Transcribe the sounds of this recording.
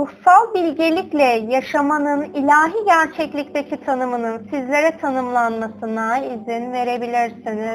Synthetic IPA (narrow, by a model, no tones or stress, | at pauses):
ɾuhsalˠbilʲɟelʲiclʲɛjaʃamanɯnilʲaːɦiːɟæɾt͡ʃʰɛclʲict̪ʰecʰit̪ʰanɯmɯnɯnsizlʲe̞ɾɛt̪ʰanɯmlˠanmasɯnaizinve̞ɾe̞bilʲiɾsini